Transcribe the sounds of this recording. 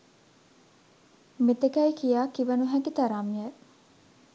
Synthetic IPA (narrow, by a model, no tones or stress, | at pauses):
met̪ekɐikijaːkiʋɐnuɦækit̪ɐɾaːmie